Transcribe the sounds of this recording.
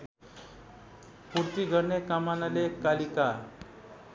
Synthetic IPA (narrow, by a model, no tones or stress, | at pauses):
puɾt̪iɡʱəɾɳekamanalekalika